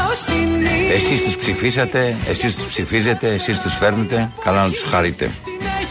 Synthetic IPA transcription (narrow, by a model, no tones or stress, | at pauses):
e̞sist̪uspsifisɐt̪e̞ḛsist̪u̥spsifize̞t̪e̞ːsist̪usfe̞ɾmet̪e̞kɐlɐnɐt̪u̥sxɐɾit̪e̞̰